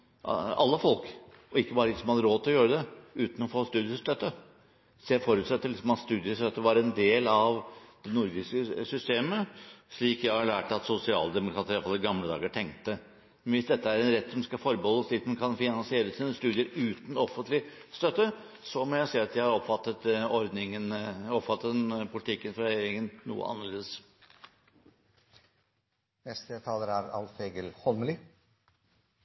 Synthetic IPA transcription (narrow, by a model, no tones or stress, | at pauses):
ɑ̰lːəfɔlk | ʔɔɪkːəbɑːɾəlɪsɔmhɑd̪əɾoːt̪ʰɪlɔjøːɾəd̪ɛʉːt̪n̩ɔfoːst̪ʉːd̪ɪəst̪œt̪ːə | sefɔɾʉːt̪sɛt̪ːəlɪsɔmɑt̪st̪ʉːd̪ɪəst̪œt̪ːəʋɑɾɛnd̪eːlɑʋd̪̥ɛnʊɾd̪ɪskəsʏst̪eːməʂɭiːkjæɪhɑɭæːʈɑt̪sʊsɪɑ̰ːld̪ɛmʊkɾɑːt̪əɾjɑfɑlːəɡɑmləd̪ɑ̰ːɡəʈʰɛŋkt̪ə | nʋɪsd̪ɛt̪ːəæɾɛnɾɛt̪ːsɔmskɑfɔɾbəhɔlːəsɭiːkmɛnkʰɑnfɪnɑnsɪeːɾəsiːnəst̪ʉːd̪ɪəɾʉːt̪n̩ɔfənt̪lɪ | st̪œt̪ːə | sɔmɔjæɪsiːɑt̪jæɪhɑɾɔpfɑt̪ːət̪ɔɾd̪nɪŋənɔpfɑt̪ːət̪pʰʊlɪt̪ʰɪkːənfɾɑɾɛjɛeːɾɪŋənnṵːə̰ʔɑ̰nːəɭeːd̪əs | nɛst̪ət̪ʰɑːləɾæɾɑ̰lfeːɡəlhɔlməli